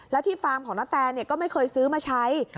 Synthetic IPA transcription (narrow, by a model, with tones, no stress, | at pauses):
lɛː˦˥wt̪ʰiː˥˩faː˧mkʰɔː˩˦naː˦˥t̪ɛː˧nːi˥˩əkɔː˥˩ma˥˩jkʰɤː˧jsɯː˦˥maː˧t͡ɕʰa˦˥j